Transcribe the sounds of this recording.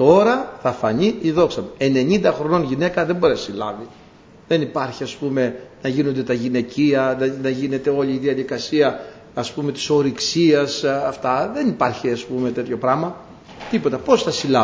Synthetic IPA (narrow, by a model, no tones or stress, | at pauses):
t̪o̞ɾɐθɐfɐɲiiðo̞ksɐmeene̞ɲind̪ɐxɾo̞no̞nʝine̞kɐðebo̞ɾesilɐ̰vi | ðe̞nipɐɾçiɐspume̞nɐʝino̞nd̪e̞t̪ɐʝine̞ciɐðenɐʝine̞t̪e̞o̞liːðiɐðikɐsiɐː | spume̞t̪i̥so̞ɾiksiɐsɐft̪ɐðe̞nipɐɾçiɐspume̞t̪e̞t̪ço̞pɾɐmɐ | t̪ipo̞t̪ɐpo̞sθɐsilɐ